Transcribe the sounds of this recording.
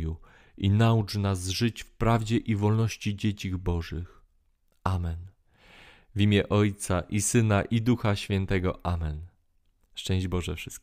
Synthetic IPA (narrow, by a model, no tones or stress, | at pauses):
ju | inaut͡ʂnazʐɘt͡ɕfpɾavd͡ʑɛʔivɔlnɔɕt͡ɕid͡ʑet͡ɕiɣbɔʐɘx | amɛn | vʲimʲjɛʔɔjt̪saʔisɘnaʔid̪uxaɕfʲjɛnt̪ɛɡɔ̰ʔamɛn | ʂt͡ʂɛ̃w̃ʑd͡ʑbɔʐɛfʂɘst̪k